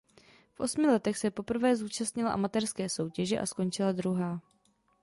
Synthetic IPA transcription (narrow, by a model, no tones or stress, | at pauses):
fʔo̞̰smɪlɛt̪ɛxsɛpo̞pr̩vɛːzuːt͡ʃast̪ɲɪla̰ʔa̰mat̪ɛrskɛːso̞wcɛʒɛʔa̰sko̞nt͡ʃɪlad̪ɾuɦaː